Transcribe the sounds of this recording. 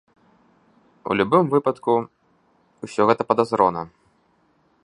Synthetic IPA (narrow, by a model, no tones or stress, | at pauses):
ṵlʲubɨmvɨpɐt̪ku | usʲɔɣɛt̪ɐpɐd̪azɾɔnɐ̰